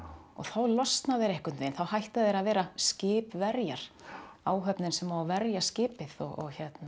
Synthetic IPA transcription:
ɔ̰ɣθawlɔst̪naðɪɾɛhkʏt̪nvejnθawhajht̪aðɛɾaðvɛːɾascɪːpvɛɾjaɾ̥aːwɦœpnɪnsɛmawavɛɾjascɪːpɪðɔɣɔ̰ɣçɛt̪na

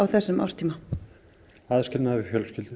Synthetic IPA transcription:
awθɛsːʏmʔa̰w̥rst̪ʰiːma | aðscɪnnaɪfjœːlscɪlt̪

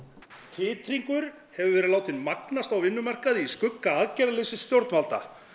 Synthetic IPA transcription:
t̪ʰɪːt̪ɾiŋkʏɾ̥ | hɛvʏvɛːɾɪðlaːwt̪ɪnmaknast̪awvɪnːʏmar̥kaðiskʏkːaaðcɛɾalɪsɪst̪jowɾt̪nmalt̪a̰

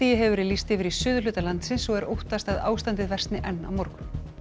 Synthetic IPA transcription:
ijɪɦɛvʏɾɪlist̪ɪvɪɾisʏːðʏlʏːt̪alant̪sɪnsɔɣɛɾowht̪ast̪aða̰ːwst̪ant̪ɪðvɛr̥t̪nɪʔɛnːa̰wmɔɾkʏn

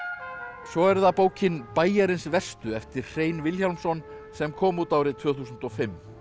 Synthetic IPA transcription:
sɔɛɾðapoːwcɪnpaːjaɾɪnsvɛst̪ʏɛft̪ɪɾ̥r̥eːjnvɪlçalmsɔn | sɛmkʰɔːmuːt̪aːwɾɪt̪ʰv̥œːθusʏnt̪ɔfɪmː

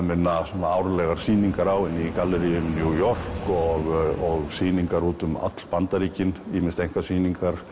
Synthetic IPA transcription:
mɪnːasɔnaawɾlɛɣaɾ̥siːniŋkaɾawɛnːikalːɛɾijʏmnjujɔr̥kɔɣɔɣsiːniŋkaɾuːt̪ʏma̰t̪l̥pant̪aɾiːcɪniːmɪnst̪ejŋ̥kvasiːniŋkaɾ̥

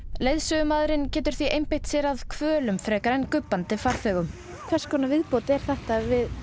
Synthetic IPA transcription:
lejðsœɣʏmaːðɾɪncɛːt̪ʏɾ̥θviʔejmpɪjht̪sɛɾaðkʰvœːlʏmfɾɛːkaɾɛnkʏpːant̪ɪfaɾ̥θœːɣʏm | kʰvɛɾ̥skʰvɔːnavɪðpoːwt̪ɛɾ̥θɛht̪avɪð

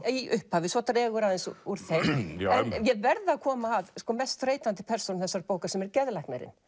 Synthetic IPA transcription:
ʔʏhphavɪsvɔt̪aɾɛːɣʏɾaðɛnsuɾ̥θejɛnmjɛðvɛɾðakʰɔːmaːðskɔːmɛst̪ɾeːjt̪ant̪ɪ̥pʰɛɾ̥sonθɛsːaɾpoːwkaɾ̥sɛmɛɾcɛðlajknɛɾɪ̰n

